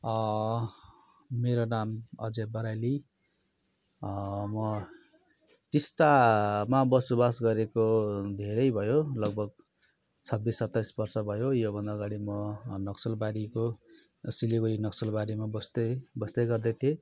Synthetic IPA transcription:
ʌ | meɾonamʌ̰d͡zebʌɾajli | mʌ | t͡sisʈamabʌsobasɡʌɾekod̪ʱeɾʌjbʱʌjolʌɡ̚bʱʌɡ | t͡sʰʌbːisːʌt̪ːajsbʌrsʌbʱʌjojobʱʌnd̪aːɡaɽimʌnʌksʌlbaɾiko | silibʌɾinʌksʌlbaɾimabʌst̪ʌbʌst̪ʌjɡʌrd̪ʌt̪ʰie

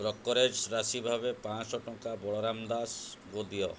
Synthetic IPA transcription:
bɾɔkːɔɾed͡ʒɾasibʱabepãsɔʈɔ̃kabɔɭɔɾamd̪asɡod̪iɔ

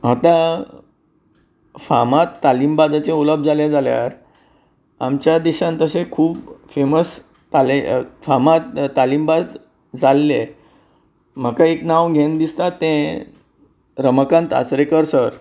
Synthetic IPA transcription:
ɦat̪ã | fa̰mat̪ːalimbad͡zat͡sẽuləb̚ʱd͡zaljad͡zalja̰ɾ | a̰mt͡ɕjad̪iɕãnt̪əsẽkʰuːpfeməs | t̪alefamat̪ːalimbad͡z | d͡zalːe | m̤əkãeknaʋɡʱẽnd̪ist̪at̪ːɛ̃ | ɾəməkãnt̪a̰t͡sɾekəɾsəɾ

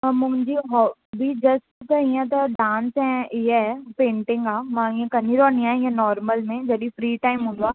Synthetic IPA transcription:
mʊ̃ɦɪ̃ɲd͡ʑiɦɔːbid͡ʑɐsʈt̪ɐiə̃t̪ɐɖãːnsɛ̃ɪɦepẽːɳʈɪ̃ŋɡaːmãĩə̃kɐniɾoə̃niãːɦɪ̃ːə̃nɔːɾməlmẽd͡ʑɐɗĩfɾiːʈaːɪmɦũːnd̪uaː

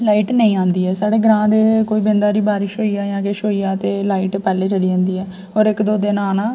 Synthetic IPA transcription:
laːiːʈnəĩːãːnd̪iːɦɛːsaːɽeːɡəɾãːd̪eːkoːiːbɪ̃nd̪aːɾiːbaːɾɪʃɦoːiːaːjãːkeʃoːiːaːt̪eːlaːiːʈpɛːleːt͡ʃəliːãːnd̪iːɛː | ɦɔːɾɪkd̪oːd̪enaːnãː

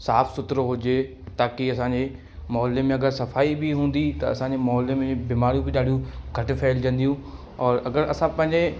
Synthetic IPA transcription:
saːfsʊt̪ɾoɦʊd͡ʑe | t̪aːkiɐsãːɲd͡ʑe | mɔːlːemẽɐɡəɾsɐfaːibɪɦũːn̆d̪it̪ɐɐsãːɲd͡ʑemɔːlemẽbɪmaːɾijũbɪɗaːɖijũɡʱɐʈfʰeːld͡ʑɐ̃nd̪ijũ | ɔːɾɐɡəɾɐsãpɐ̃ɦɪ̃ɲd͡ʑe

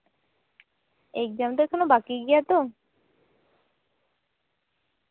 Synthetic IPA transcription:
ek̚d͡ʒamt̪oɛkʰonobakiɡijat̪o

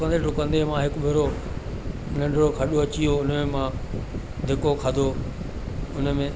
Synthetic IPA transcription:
kə̃nd̪eʈʊkə̃nd̪emãɦɪkʊbʱeɾo | nɐ̃ɳɖʱɽokʰɐɗoɐt͡ɕijoʊnmẽmã | d̪ʱɪkokʰaːd̪ʱo | ʊnə̆mẽ

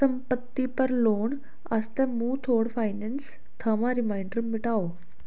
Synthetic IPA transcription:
əmpət̪ːipəɾloɳ | əst̪ɛ̃muːt̪ʰoɽfajnens | t̪ʰəmaɾimajɳɖɾumːiʈaʋo

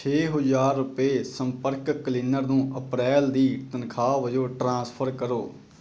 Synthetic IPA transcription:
t͡ʃʰeːɦʊzaːɾːʊpeːsəmpəɾkkəlɪnəɾnũːʔəpɾɛːld̪iːt̪ənkʰaːʋəd͡ʒoːʈɾãːspʰəɾkəɾoː

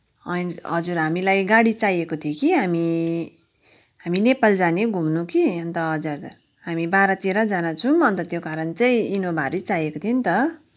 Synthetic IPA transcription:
ʌniɦʌd͡zurɦamilajɡaɽit͡sajekot̪ʰiokiɦami | ɦaminepald͡zaneɡʱumnukiʌnt̪ʌɦʌd͡zard͡zar | ɦamibaɾʌt̪eɾʌd͡zanat͡sʰũʌnt̪ʌt̪jokaɾʌnt͡sʌj̃inobʱaɾit͡sajekot̪ʰjent̪ʌ

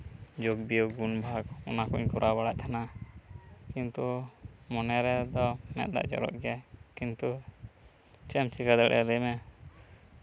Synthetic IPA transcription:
d͡ʒoɡ̚biɔɡunbʱaɡɔnakuɲkɔɾʔabaɽaʔ̚t̪ʰana | kint̪umɔnɛɾɛd̪ɔmɛ̰t̪̚ˀd̪a̰ʔd͡ʒɔ̰ɾɔ̰ʔɡɛakint̪u | t͡ʃɛmt͡ʃikad̪ɛɽʔɛ̰lɛjmɛ

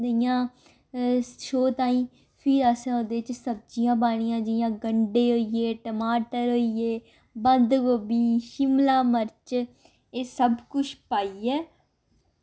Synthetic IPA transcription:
d̪əjãː | ʃoːt̪aːĩː | pʰɪɾəsãːõːd̪eːt͡ʃsəb̚d͡ʒijãːbaːɽ̃ijãːd͡ʒɪjãːɡəɳɖeːɦoːieːʈəmaːʈəɾɦoːieː | bənd̪ɡoːbiːʃɪmlaːməɾt͡ʃ | eːsəbkʊʃʰpaːiːɛː

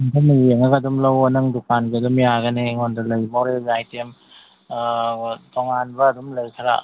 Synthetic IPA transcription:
ŋtʰamieŋaɡadumlawɔnɯŋdukʰanɡeɐdumjaɡaneŋondɯlɯjmawɾejajtem | toŋanbɐːdumlɯjkʰaɾa̰

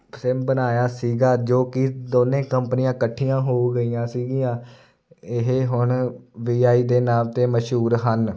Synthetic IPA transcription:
pʰɾɪmbənaːjaːsiːɡaːd͡ʒoːkɪd̪oːnẽːkəmpənɪjãːkəʈʰːijãːɦoːɡəiːãːsiːɡiːãː | ɪɦeːɦʊɳʋiːaːiːd̪eːnaːmt̪eːməʃɦuːɾɦən

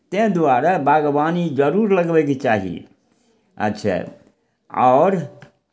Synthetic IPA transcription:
t̪ẽd̪uaɾabaɡbanid͡ʒəɾuɾləɡbɛket͡ʃaɦḭ | ə̰tːʃʰa̰ | aːɾ

